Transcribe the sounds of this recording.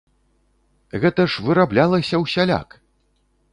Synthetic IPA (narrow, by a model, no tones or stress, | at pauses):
ɣɛt̪ɐʂvɨɾablʲalˠɐsʲɐwsʲalʲa̰k